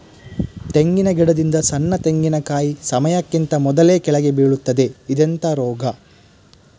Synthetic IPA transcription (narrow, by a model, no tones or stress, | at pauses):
t̪eŋɡinɐɡɛɽɐd̪ind̪ɐsɐnːɐt̪eŋɡinɐkaːjisɐmɐjakːint̪ɐmɔd̪ɐleːkɛɭɐɡe̞beːɭut̪ːɐd̪e̞id̪ent̪ɐɾɔːɡʱɐ